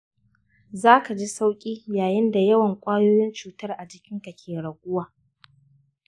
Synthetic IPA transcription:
zaː˦ka˨d͡ʒi˦sa˦wkʲʼiː˦jaː˨jɪ˦nda˨jɐ˦wɐ˨ŋkʷʼaː˦joː˦jɪ˦nt͡ʃuː˨tɐ˦rʔa˨d͡ʒɪ˨kʲɪ˦ŋka˨kʲʰeː˨ɽɐ˨ɡʷʊ˦waː˨

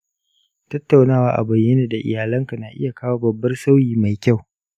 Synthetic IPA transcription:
tɐ˦tːa˨wnaː˦waː˦ʔa̰˨bɐ˨jːe˦neː˨da˨ʔɪ̰˨jaː˨lɐ˦ŋka˨naː˨ʔɪ˦ja˨kaː˦waː˦bɐ˨bːɐ˦rsa˦wjiː˨ma˨jkʲa˦˨w

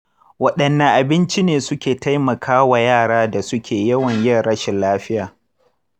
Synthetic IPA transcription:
wɐ˦ɗɐ˨nːɐ˨ʔa˨bɪ˦nt͡ʃi˦neː˨sʊ˦kʲeː˨ta˦jmɐ˨kʰaː˦wa˨jaː˦˨ɽaː˦da˨sʊ˦kʲeː˨jɐ˦wɐ˨ɲjɐ˦rɽɐ˦ʃɪ˨nlaː˦ɸɪ˦jaː˨

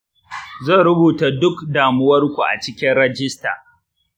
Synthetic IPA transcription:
zɐ˦˨ɾʊ˦buː˨ta˨dʊ˦kdaː˨mʊ˦wɐ˦rkʷu˨ʔa̰˨t͡ʃɪ˦kʲɪ˦nɽɐ˦d͡ʒɪ˦sta̰ː˨

